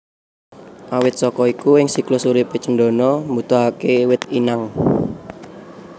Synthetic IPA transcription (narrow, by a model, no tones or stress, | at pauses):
ʔawɪt̪̚sɔkɔikuɪŋsiklosuɾipet͡ʃənɖɔ̤nɔmbut̪ɔɦakewɪt̪̚inaŋ